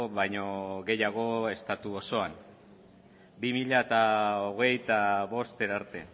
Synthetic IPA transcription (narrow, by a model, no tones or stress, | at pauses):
βajɲo̞ɣe̞jaɣ̞o̞e̞st̪at̪uoso̞an | bimiʎaet̪aoɣ̞e̞jt̪aβo̞st̪eɾaɾt̪e̞